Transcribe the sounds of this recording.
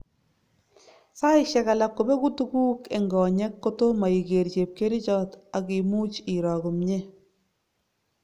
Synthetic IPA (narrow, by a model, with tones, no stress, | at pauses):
sa˦iʃɛ˨ka˨la˨kːo˨be˦ku˦tu˦kuː˦ke˨ŋɡɔː˨ɲɛ˦kːo˦to˦ma˨i˨ke˨ɾt͡ʃe˨p̚ke˦ɾi˦t͡ʃɔ˦ta˨ki˨mu˦t͡ʃi˨ɾɔ˨ku˨mɲe˦